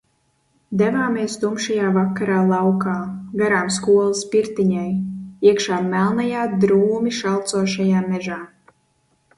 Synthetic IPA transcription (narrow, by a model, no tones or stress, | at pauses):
d̪ɛvaːmiɛst̪umʃajaːvakːaɾaːlˠawkaːɡaɾaːmskuɔlˠaspiɾt̪iɲajiɛkʃaːmælˠnajaːd̪ɾuːmiʃalˠt̪suɔʃajaːmɛʒaː